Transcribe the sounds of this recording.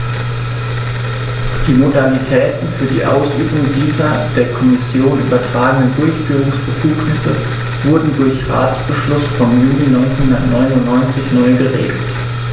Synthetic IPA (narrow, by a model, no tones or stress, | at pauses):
d̥iːmodalitʰɛːtn̩fyːɐdiːʔaʊsʔyːbʊŋdiːzɐd̥eːɐkʰɔmɪsjoːnʔy̰ːbɐtʁ̥aːɡəŋ̩dəndʊɐçfyːʁʊŋsb̥əfuːknɪsə | v̥ʊɐdn̩dʊɐçʁa̰ːt͡sb̥əʃlʊsfɔmjuːninɔʏnt͡sɛnhʊndɐtnɔʏnʊntnɔʏnt͡sɪçnɔʏɡəʁḛːɡl̩t